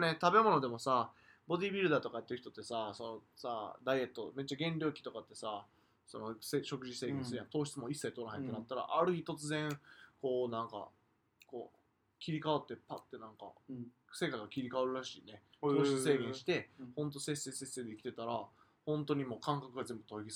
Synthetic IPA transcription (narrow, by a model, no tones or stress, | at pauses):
net̪abe̞mo̞no̞d̪e̞mo̞sa | bo̞d̪ʲiːbʲiɾɯ̟d̪aːt̪o̞kait̪ːeɯ̟çi̥t̪o̞t̪ːe̞saso̞nosad̪aie̞t̪ːo̞me̞tt͡ɕːaɡẽ̞nɾʲo̞ːkʲi̥t̪o̞kat̪ːe̞sa | so̞no̞seɕo̞kɯ̟ʑise̞ːɡẽnsɨjãt̪o̞ːɕi̥t͡sɨmo̞isːait̪o̞ɾaɦent̪enat̪ːaɾa̰ʔaɾɯ̟çʲit̪o̞t͡sɨzẽ̞ŋko̞ːnãŋka̰ | ko̞ː | kʲiɾʲikaβat̪ːe̞pat̪ːe̞nãŋka̰ | se̞ːkaɡakʲiɾʲikaβaɾɯ̟ɾaɕiːne̞ | t̪o̞ːɕi̥t͡sɨseːɡʲeɰ̃ɕi̥t̪e̞hõ̞nt̪̬o̞se̞sːe̞se̞sːe̞ːd̪e̞ikʲi̥t̪et̪aɾa | hõ̞nt̪o̞ɲ̟imo̞ːkãŋkakɯ̟ɡazẽ̞mbɯ̟t̪o̞iɡʲis